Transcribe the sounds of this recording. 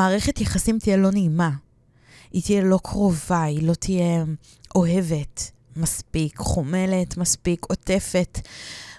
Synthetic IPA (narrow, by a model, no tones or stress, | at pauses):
aːʁeχe̞tjaχasimt̪ijelo̞neːma | it̪ijelo̞kʰʁo̞vailo̞t̪ʰije | o̞ɦe̞ve̞t | maspikχome̞le̞tmaspiko̞te̞fe̞t